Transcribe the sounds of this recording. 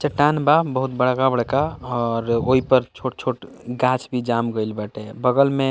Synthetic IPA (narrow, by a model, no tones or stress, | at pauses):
t͡ʃəʈːanbabəɦut̪bəɽ̤kabəɽkaɔɾoɦipəɾt͡ʃʰoʈ̚t͡ʃʰoʈ | ɡãt͡ʃbʱid͡ʒamɡəjlbaʈebəɡəlme